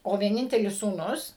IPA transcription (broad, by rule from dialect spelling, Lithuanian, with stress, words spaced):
oː ʋʲiɛˈnʲɪnʲtʲɛlʲɪs suːˈnʊs